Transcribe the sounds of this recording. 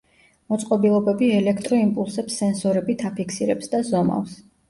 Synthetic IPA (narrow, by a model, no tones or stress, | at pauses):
mɔt̪sʼqʼɔbilˠɔbɛbiɛlɛkʰt̪ʼɾɔimpʼulˠsɛpsːɛnsɔɾɛbit̪ʰapʰikʰsiɾɛpsd̪azɔma̰ls